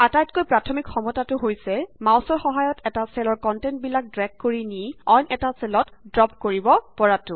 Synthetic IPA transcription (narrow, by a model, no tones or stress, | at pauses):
atajtkojpɹatʰɔmikxɔmɔtatʊɦojsɛmawsɔɹxɔɦajɔtɛtasɛlɔɹkɔntɛnt̚bilak̚dɹɛk̚kːoɹiniɔjnɛtasɛlɔtdɹɔp̚ʰkoɹibɔpɔɹatʊ